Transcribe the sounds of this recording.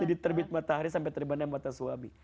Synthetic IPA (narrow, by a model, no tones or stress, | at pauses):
adit̪ərbɪt̪̚mat̪aɦaɾis̬ampɛt̪əɾibanamat̪asuami